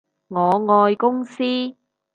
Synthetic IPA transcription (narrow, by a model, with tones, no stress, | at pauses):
ŋɔː˨˧ŋɔː˧jkʊ˥ŋsiː˥